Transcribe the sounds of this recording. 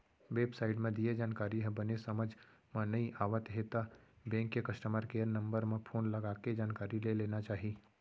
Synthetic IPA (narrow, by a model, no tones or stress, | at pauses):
ʋeːbsaːɪʈmẽd̪ied͡ʒaːnkaːɾiɦɛ̃bɐnesɐməd͡ʒ | mãnɐiʔaːʋət̪ɦet̪abɛ̃ːŋkːekɐʃʈəməɾkeːɾnɐ̃mbəɾmẽpʰoːnlɐɡaːked͡ʒaːnkaːɾileleːnat͡ʃaːɦiː